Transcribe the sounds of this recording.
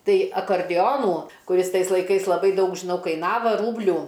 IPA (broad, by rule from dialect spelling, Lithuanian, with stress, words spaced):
ˈtɐɪ ɐkɐrʲˈdʲoːnuː kʊˈrʲɪs ˈtɐɪs lˠɐɪˈkɐɪs lˠɐˈbɐɪ ˈdɐʊk ʒʲɪˈnɐʊ kɐɪˈnɑːʋɐ ˈruːbʲlʲuː